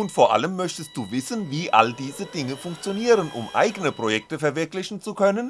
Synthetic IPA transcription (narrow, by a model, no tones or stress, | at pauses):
ʊntfoːɐʔa̰ləmːœçtəst̚d̥uːvɪsn̩viːʔa̰ldiːzədɪŋəfʊŋkt͡sjoniːʁənʔʊ̰mʔa̰ɪɡənəpʁ̥ojɛk̚təfɛɐvɪɐklɪçn̩t͡sukʰœnən